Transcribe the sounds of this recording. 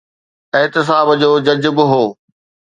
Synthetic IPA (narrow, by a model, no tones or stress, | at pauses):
ɪɦt̪ɪs̬aːbd͡ʑoːd͡ʑɐd͡ʑbɪɦoː